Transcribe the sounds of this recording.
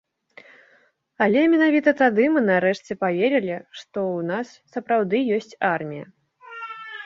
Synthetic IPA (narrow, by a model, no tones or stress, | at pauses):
ɐlʲɛmʲɛnavʲit̪ɐt̪ad̪ɨmɨnaɾɛʂt͡sʲɛpavʲeɾʲɛlʲiʂt̪ɔwnasːɐpɾawd̪ɨjɔsʲt͡sʲarmʲijɐ